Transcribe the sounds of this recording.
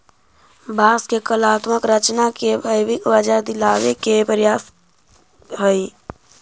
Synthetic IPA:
baːskekəlaːt̪məkɾət͡ʃnakebʱəjwɪkʋəd͡ʒad̪ɪlaːʋekepɾjaːs | ɦəi

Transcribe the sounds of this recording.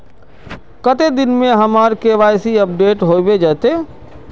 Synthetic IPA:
kət̪ed̪ɪnmẽɦɐmaːɾkeʋaːjsiəp̚ɖeːʈɦoːbed͡ʒaːt̪eː

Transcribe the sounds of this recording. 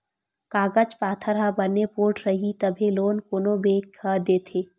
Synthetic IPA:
kaːɡəd͡ʒpaːt̪ʰəɾɦabɐnepoːɾʈɾɐɦit̪ɐbʱeloːnkonobeːkhɐd̪eːt̪ʰeː

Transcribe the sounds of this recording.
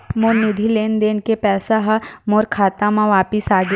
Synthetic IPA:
moːɾnʊd̪ʱileːnd̪eːnkepɛːsaɦamoːɾkʰaːt̪ãmãʋaːpɪsaːɡ

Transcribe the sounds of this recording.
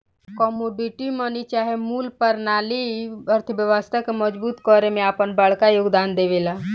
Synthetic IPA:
kɔːmoɖiʈimənit͡ʃaːɦemuːlpəɾnaːliəɾt̪ʰbjəʋəst̪ʰakemɔd͡ʒbuːt̪kɔːɾemẽaːpənbəɭkajʊɡd̪aːnd̪eʋeːlaː

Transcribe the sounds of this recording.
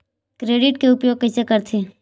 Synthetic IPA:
kɾeːɖɪʈkeʊpjoːɡ̚kəsekəɾt̪ʰi

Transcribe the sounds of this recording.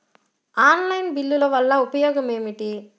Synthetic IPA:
aːnlɐjnbilːulɐʋɐlːɐupɐjɔːɡɐme̞ːmiʈi

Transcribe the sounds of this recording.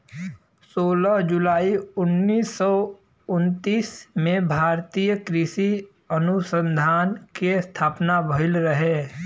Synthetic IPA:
soːləɦd͡ʒʊlaːiʊnːiːsːɔ | ʊnt̪iːsmẽbʱaːɾt̪ijəkɾɪsi | ənʊsə̃nd̪ʱaːnkest̪ʰaːpnabəɦɪlɾəɦeː

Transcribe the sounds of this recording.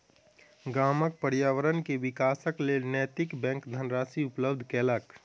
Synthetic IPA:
ɡaːmək̚pəɾjaːwəɾənkeʋɪkaːsəklenɛːt̪ɪkbɛ̃ːŋkd̪ʱənɾaːsiʊpləbd̪ʱkɛːlək

